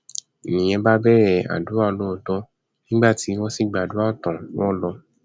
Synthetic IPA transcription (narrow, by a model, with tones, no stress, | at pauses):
nĩ˨j̃ɛ̃˧ba˦bɛ˦˨ɾɛ˦˨a̰˨du˨˦a˦o˧˨lo˦ũ˦˨tɔ̃˨˧ | nĩ˦ɡ͡ba˦˨ti˨˦wɔ̃˦si˦˨ɡ͡ba˨du˨˦a˦˨tɔ̃˨wɔ̃˦lɔ˧